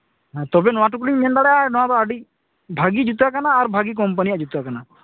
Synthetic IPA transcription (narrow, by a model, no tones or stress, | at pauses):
ɦãt̪ɔbenɔwãʈuk̬liŋmend̪aɽɛanɔwat̪ɔaɖi | bʱaɡid͡ʒut̪akanaːɾbʱaɡik̬ɔmp̬ənijad͡ʒut̪akana